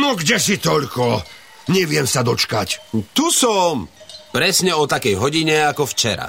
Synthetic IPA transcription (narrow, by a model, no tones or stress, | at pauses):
nɔɡɟɛsit̪ɔʎkɔ | ɲɛʋɪɛmsad̪ɔt͡ʃkact̪usɔmpɾɛsɲɛɔt̪akɛjɦɔɟiɲɛakɔft͡ʃɛ̰ɾa̰